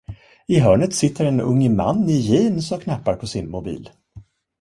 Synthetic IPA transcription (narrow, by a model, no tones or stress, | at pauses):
ɪɦœːɳət̪sɪt̪ʰːəɾɛnɵ̰ŋːma̰nːɪjiːnsɔmkʰnapːaɾpʰɔsɪnmʊbḭːl